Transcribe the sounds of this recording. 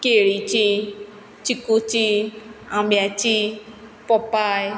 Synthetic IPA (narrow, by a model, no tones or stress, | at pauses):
keɾit͡ʃi | t͡ʃikut͡ʃiãbati | pɔpai